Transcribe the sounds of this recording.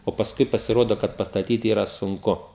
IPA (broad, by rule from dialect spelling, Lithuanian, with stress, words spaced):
oː pɐsˈkʊɪ pɐsʲɪˈroːdoː kɐt pɐstɐˈtʲiːt ˈiːrɐ sʊŋˈkʊ